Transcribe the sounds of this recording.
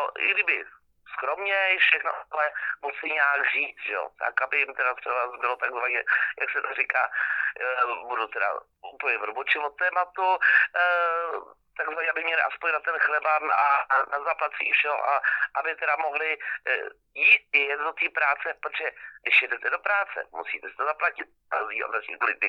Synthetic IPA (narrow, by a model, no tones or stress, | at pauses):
noʔɪ̰ɡdɪbɪ | skɾomɲɛfʃɛxno̰lɛmut͡sɪɲaːɡr̝̥iːt͡sʒ̥ɛjo̰t̪ʰa̰kabɪjɪmt̪ɛdat̪rɛvazbɪlot̪aɡzvaɲɛja̰ksɛt̪arika̰ː | budut̪ɛda̰ | uːpləɲɛvɾobot͡ʃɪvot̪ɛːmat̪u | t̪aɡzvaɲɛabɪmɲɛlɪʔaspoɲnat̪ɛnxlɛbaanazaplat̪t͡sḭːfʃɛɦo̰ʔaʔabɪt̪ɛɾamo̞ɦlɪ | jiːt̪̚ɛjɛt̪dot̪iːpɾaːt͡sɛpɾot̪ʒɛjɪʃjɛdɛt̪ɛdopɾaːt͡sɛ̰mṵsḭːt̪ɛsɪ̥t̪ozaplacɪt̪̚azia̰asɲɛ̰klɪdɪ